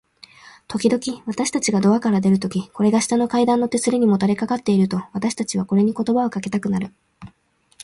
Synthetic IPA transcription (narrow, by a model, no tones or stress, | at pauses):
t̪ʰo̞kʲid̪o̞kʲiβat̪aɕi̥t̪at͡ɕiɡad̪o̞akaɾad̪e̞ɾɯ̟t̪o̞kʲiko̞ɾe̞ɡaɕi̥t̪ano̞kaid̪ãnːo̞t̪esɨɾʲɯɲ̟imo̞t̪aɾe̞kakat̪ːe̞iɾɯ̟t̪o̞β̞at̪aɕi̥t̪at͡ɕiβako̞ɾe̞ɲ̟iko̞t̪o̞bao̞kake̞t̪akɯ̟naɾɯ̟